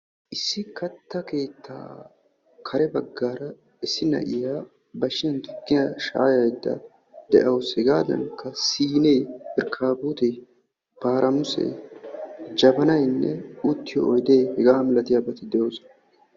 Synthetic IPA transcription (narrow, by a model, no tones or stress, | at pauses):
ʔɪsːɪkɐt̪ːɐke̞ːt̪ʰːa̰ː | kʰɐɾɛbɐɡːaːɾɐ | ɪsːɪnɐ̰ʔɪjaː | bɐʃɪjɐnt̪ʊ̥ɡːɪjaʃa̰ːjɐjd̪ːɐ̰ | d̪̥ɛʔɐwshɛɡaːd̪ɐ̰nkːɐsiːneːpɪɾkʰaːbuːt̪ɛ | b̥aːɾʔɐmʊsɛ̰ | d͡ʒɐbɐnɐjnːɛut̪ːɪjɔ̰ɔjd̪eːhɛɡaːmɪlɐt̪ɪjabɐt̪ɪd̪ɛjoːsɔnɐ